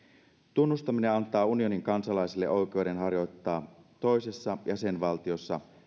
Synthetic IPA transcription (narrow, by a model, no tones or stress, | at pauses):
t̪unːust̪ɑmineɑnt̪ˑɑːunio̞niŋkɑnsɑlɑisilːeʔo̞jk̟ˑe̞wde̞nɦɑrjo̞jt̪ːɑːt̪o̞ise̞sːɑjæse̞nʋɑlt̪io̞sːɑ̰